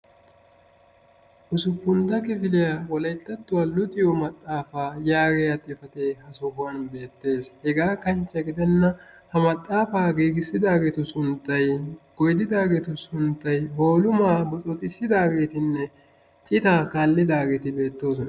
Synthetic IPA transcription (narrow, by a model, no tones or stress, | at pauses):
ʔʊsʊpːʊnd̪ɐkɪfɪlɪjawɔlɐjt̪ːɐt̪ːʊwɐlʊt̪ʼɪjɔmɐt̪ʼːaːfaːjaːɡɛjɐt̪ʼːɪfɐt̪eːhɐsʊhʊwɐnbe̞ːt̪ːe̞ːshɛɡaːkɐnt͡ʃːɐɡɪd̪ɛnːɐhɐmɐt̪ʼːaːfaːɡiːɡɪsːɪd̪aːɡeːt̪ʊsʊnt̪ːɐjɡ̥ɔjd̪ɪd̪aːɡeːt̪ʊsʊnt̪ːɐjho̞ːlʊmaːbɔt̪ʼɔt̪ʼɪsːɪd̪aːɡe̞ːt̪ɪnːɛ | t͡ʃʼɪt̪aːkaːlːɪd̪aːɡeːt̪ɪbe̞ːt̪ːo̞ːsɔnɐ